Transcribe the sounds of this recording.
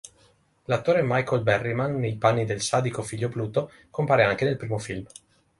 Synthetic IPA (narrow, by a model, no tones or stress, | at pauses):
lat̪ːoːɾemajkolbɛrːimanːejpanːid̪elsad̪ikofiʎːobluːt̪o | kompaːɾeaŋkenelpɾiːmofilm